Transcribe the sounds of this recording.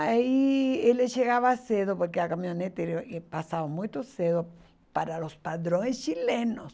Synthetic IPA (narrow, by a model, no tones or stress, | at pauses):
aieleʃeɣaβaseðopoɾkeakamĩonet̪eɾoepasaβamũjt̪oseðo | paɾalospaðɾoŋest͡ʃilenos